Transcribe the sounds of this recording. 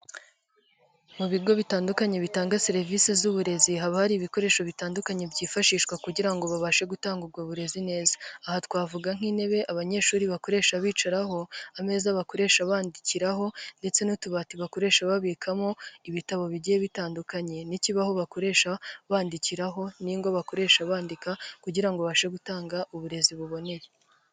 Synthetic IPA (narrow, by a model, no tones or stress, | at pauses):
muβiɡo̞βitaːndukaɲe̞βitaːŋɡase̞ɾevisezuβuɾe̞ziɦaβahaɾiːβiko̞ɾe̞ːʃoβitaːndukaɲe̞bɟiːfaʃiːʃkwakuɟiɾaŋɡo̞βaβaʃe̞ɡutaːŋɡub̚ɡwaβuɾe̞zine̞ːzḁːhatkwaːvuɡaŋ̥hiːne̞βe̞ʔaβaɲe̞ːʃuːɾiβako̞ɾe̞ːʃaβiːt͡ʃaɾaɦo̞ame̞ːzaβako̞ɾe̞ːʃaβaːndiciɾaɦo̞nde̞t͡se̞nutuβatiβako̞ɾe̞ːʃaβaβiːkʰamo̞iβitaβo̞βiɟijeβitaːndukaɲe̞niciβaho̞βako̞ɾe̞ːʃaβaːndiciɾaɦo̞niŋɡoβako̞ɾe̞ːʃaβaːndikakuɟiɾaŋɡoβaβaʃe̞ɡutaːŋɡaʔuβuɾe̞ziβuβo̞ne̞je